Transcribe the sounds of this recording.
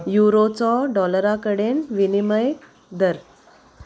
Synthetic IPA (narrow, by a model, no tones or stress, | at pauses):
juɾot͡sɔɖɔləɾakəɽenʋiniməj | d̪əɾ